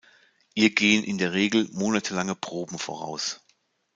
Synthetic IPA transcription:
hiːɐɡeːənʔɪ̰ndeːɐʁ̞eːɡl̩moːnatʰəlaŋəpʁ̥oːbm̩fo̰ːʁ̞a̰ʊs

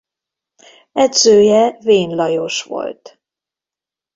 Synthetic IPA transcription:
ɛd̪z̥øːjɛveːnlɒjoʃvo̰lt̪

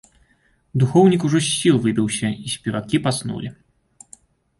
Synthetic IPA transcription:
d̪uxɔwnʲikuʐɔsʲːilˠvɨbʲiwsʲɐisʲpʲɛvakʲipasnṵlʲi

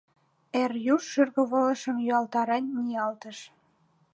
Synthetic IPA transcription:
erjuʃːyrɣə̆βɤ̆lə̆ʃə̆mjyɑlt̪ɑɾɑnʲːijɑlt̪əʃ

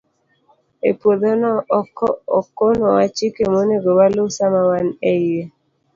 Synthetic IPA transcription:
epwod̪onɔkɔɔkːonɔwat͡ʃikemoneɡobalosamawanɛie

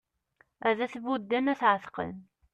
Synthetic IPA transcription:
æðæθvud̪ːænæθʕəθqə̰n

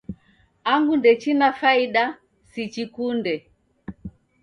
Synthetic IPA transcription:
aŋɡundɛt͡ʃinafaiɗa | sit͡ʃikundɛ

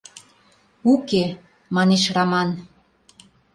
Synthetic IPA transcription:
uke | mɑneʃrɑmɑn

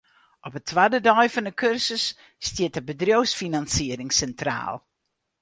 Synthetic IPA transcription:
ɔpətʰʋadədɔjfənəkʰørsəsː | tjɪət̚əbədrjowsfinansiəɾɪŋsɛntra̰ːlˠ

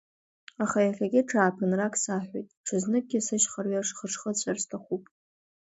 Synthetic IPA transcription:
aχajaɬʲaɡʲɪʈ͡ʂʰaːpʰɨnrakʰʼsaħʷᶣejtʼʈ͡ʂʰɨznɨk̚ʼɡʲɪsɨʃχarɥaʂχəʂχət͡ɕʷʰarstʰaχupʼ

